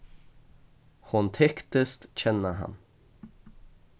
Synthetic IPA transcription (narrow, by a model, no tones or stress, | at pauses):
hʊnt̪ʰɛkt̪əst̪çɛnəɦa̰n